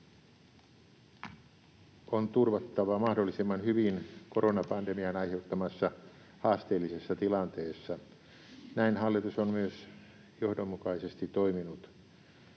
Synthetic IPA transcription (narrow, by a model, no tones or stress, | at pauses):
ont̪urʋɑt̪ːɑʋɑmɑhdolːisimːɑnhyʋinko̞ronɑpɑndemiɑnɑjhe̞ut̪ːɑmɑsːɑ | hɑːst̪eːlːisesːɑt̪ilɑnt̪eːsːɑ | næinhɑlːit̪usonmyøs | johdomːukɑisest̪itt̪oiminut̪